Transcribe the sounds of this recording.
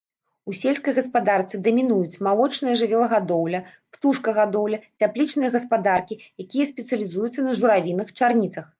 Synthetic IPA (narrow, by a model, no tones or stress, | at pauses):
usʲelʲskɐjɣɐspad̪art̪sɨd̪ɐmʲinujut͡sʲmalˠɔt͡ʂnɨjɐʐɨvʲɛlˠɐɣad̪ɔwlʲɐ | pt̪uʂkɐɣad̪ɔwlʲɐt͡sʲaplʲit͡ʂnɨjɐɣɐspad̪arkʲijakʲijɐsʲpʲɛt̪sɨɐlʲizujut̪sːɐnɐʐuɾavʲinɨxt͡ʂarnʲit̪sɐx